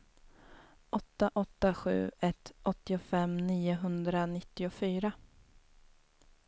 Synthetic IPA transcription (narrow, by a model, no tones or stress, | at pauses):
ʔɔt̪ːaʔɔt̪ːaɧʉ̟̰ːɛt̪ʔɔt̪ːɪʊfɛmniːʊɦɵnd̪ɾanɪt̪ːɪʊfyːɾa